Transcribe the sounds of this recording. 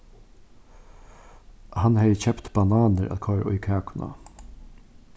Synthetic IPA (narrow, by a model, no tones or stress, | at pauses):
hanhɛjçɛpt̪b̥anaːnəɾʔæ̰t̪kʰɔːɾʔɔjkʰæːkʰʊna̰